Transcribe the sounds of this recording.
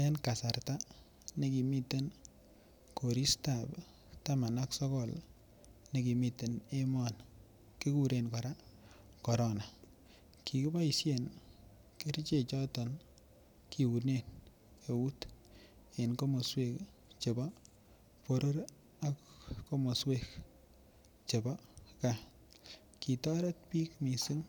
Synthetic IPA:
e˦nka˨sa˨rta˦ | ne˦ki˨mi˦te˦n | ko˨ɾi˦stap | ta˦ma˨na˦ksɔ˦kɔ˨l | ne˦ki˨mi˨te˨ne˦mɔ˨n | ki˦ku˦ɾe˨nkɔ˨ɾa˦ | kɔ˨ɾo˦na˨ | ki˨ki˦ba˦i˨sje˨n | ke˦ɾi˦t͡ʃe˦˨t͡ʃɔ˦tɔ˨n | ki˨wu˨ne˦n | e˨wu˦t | e˨nko˦mo˨swe˦k | t͡ʃe˨ba | po˨ɾo˦ɾ | a˨kːo˦mo˨swek | t͡ʃe˨ba˦ka | ki˨tɔ˦ɾe˦t̚pi˦kmi˨su˦ŋ

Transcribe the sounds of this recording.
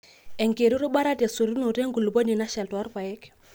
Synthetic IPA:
ɛ˨ŋke˨ɾu˦ɾu˦ɓa˦ɾa˦ta˨su˨ɾi˦nu˨ɾe˦ŋɡu˨lu˨bo˦ni˨na˦ʃɛ˨ltwa˦ɾpa˨jɛ˦k

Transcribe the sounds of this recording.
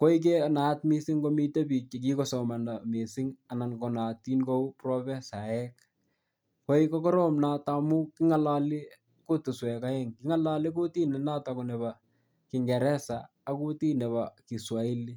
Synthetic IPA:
ko˦ik̬e˦na˨˦tmi˦sɪ˦ŋɡo˦mi˦te˦pi˨t͡ʃe˨k̬i˦kɔ˦sɔ˨ma˨nda˨mi˨sɪ˦ŋa˨na˨nko˨na˨ti˦nko˦u˦prɔ˦bɛ˦sa˨ɛk | ko˦ikɔ˦kɔ˦ɾɔ˦mna˦ta˨mu˦kɪ˦ŋa˨la˦lɪ˦ | ku˦tu˨swɛ˨ka˦ɛ˦ŋki˦ŋa˦la˦lɪ˦k̬u˦ti˦nɛ˨na˦ta˨kunɛ˨ba˨ | kɪ˨ŋɡɛ˨ɾɛ˦saː˨˦ku˦ti˦nɛ˨βa˨ki˨swa˨i˦li˦

